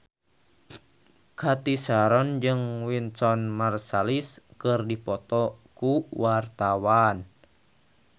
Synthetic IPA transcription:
kʰat̪isaɾɔnd͡ʒɨŋwinsɔnmarsaliskərdipɔt̪ɔkuwart̪awan

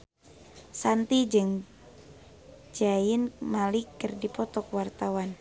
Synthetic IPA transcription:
sant̪id͡ʒɨŋ | d͡ʒaɪnmalikərdipɔt̪ɔkwart̪awan

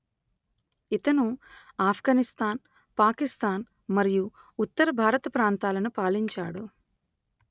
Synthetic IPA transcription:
it̪ɐnuaːpʰɡaːnist̪aːn | paːkist̪aːn | mɐɾijuː | t̪ːɐɾɐbʱaːɾɐt̪ɐpɾaːnt̪aːlɐnupaːliɲt͡ʃa̰ːɽu

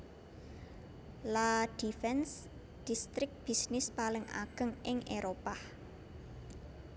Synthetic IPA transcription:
lad̪̥ifɛns | d̪̥ist̪ɾɪk̚b̥i̤snɪspalɪŋa̰ɡ̥ə̤ŋɪŋʔeɾopah

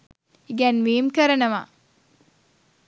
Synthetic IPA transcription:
iɡɛnmeːmkəɾənəʋa̰

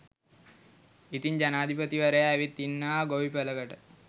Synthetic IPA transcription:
it̪iɲd͡ʑanaːd̪ʱipət̪iʋəɾəjaːʋit̪ːinːaːɡoʋipələɡəʈə

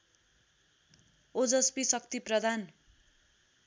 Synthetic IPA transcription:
od͡zʌspisʌk̚t̪iprʌd̪ʱan

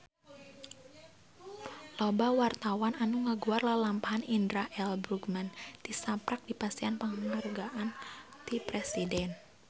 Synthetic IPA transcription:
lobawart̪awananuŋəɡuarlalampaɦanindɾaʔɛlbɾuɡmant̪isapɾak̚dipast̪ianpəŋəŋərɡaʔant̪ipɾɛsidɛn

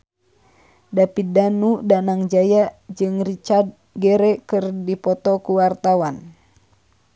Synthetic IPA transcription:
dapidanudanaŋd͡ʒajad͡ʒɨŋrit͡ʃad̪̚ | ɡɛɾɛkɨrdipɔt̪ɔkuwart̪awan

